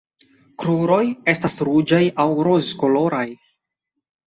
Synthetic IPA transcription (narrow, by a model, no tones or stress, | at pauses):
kɾuɾo̞je̞stasɾud͡ʒajawɾozko̞lo̞ɾaj